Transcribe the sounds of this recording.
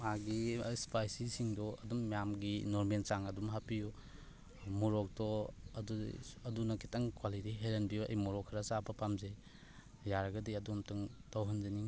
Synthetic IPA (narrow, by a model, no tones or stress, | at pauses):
maɡispajsisiŋdɔɐdumːijamɡinɔɾmensaŋɐdumɦapiju | muɾɔk̚dɔɐduɐdunɐkʰi̥tɐŋkwalitiɦeɾenbijuɐ̰jmuɾɔkʰːɐɾɐsabɐpamzej | jaɾɐɡɐdiɐdumtɐŋtawɦɐnzeniŋ